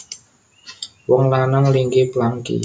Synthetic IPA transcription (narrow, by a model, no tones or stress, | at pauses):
wɔŋlanaŋliŋɡeplaŋkḭ